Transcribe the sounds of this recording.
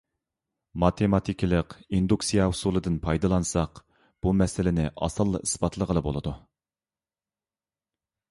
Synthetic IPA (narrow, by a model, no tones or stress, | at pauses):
mɑt̪ʰemɑt̪ʰikʲʰilˠəqind̪uksijɑusulˠɨd̪ɨnpʰɑjd̪ɑlˠɑnɨsɑq | b̥umɛsɪlɪnɪʔɑ̰sɑlˠːɑ̰isbɑt̪ʰlˠəʁəlˠɨbo̰lˠɨd̪u